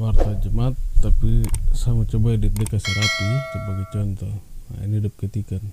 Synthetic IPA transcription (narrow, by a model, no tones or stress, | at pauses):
wart̪ad͡ʒəmat̪ːapisamat͡ʃɔbadik̚dəkasɛɾat̪it̪apaɡit͡ʃɔnt̪ɔa̰ḭnidəp̚kət̪ikan